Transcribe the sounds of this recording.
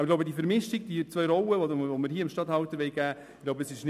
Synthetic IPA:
ɡlowbədiəfəɾmɪʃtiɡ̚d̥it͡svœjɾɔwəvovoməɾhiːəmʃtɑthɑltəʋɛɪɡæː | ɡ̥lowbəəsɪʃn

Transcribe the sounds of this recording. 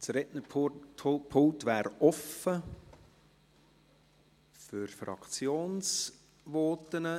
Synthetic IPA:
t͡sɾɛtnə | pʰʊlt̪ʋæːɾɔfə | fʏɾfɾɑ̰kt͡sjoːns | ʋoːt̪ənə

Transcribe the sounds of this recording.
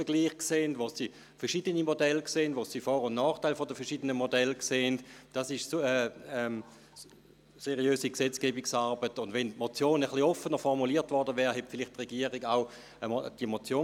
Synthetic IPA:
fɛɐɡ̥liːχkseːndʋosi | fɛɐʁʃiːdənimodɛlkseːntʋosifɔːʁʊnnɔːχtaɪlfɔdəfɛɐʃiːdənəmodɛlkseːntd̥asɪʃsəɛm | seʁiøːsiksɛt͡skeːbiksaʁbətʊndʋɛntmot͡sjoːnəχliɔfənəʁfɔʁmuliːɐtvɔʁdəvɛːʁɦɛtfɪlɪχtʁɛɡiːəʁiɡaʊ | əmd̥iəmot͡sjoː

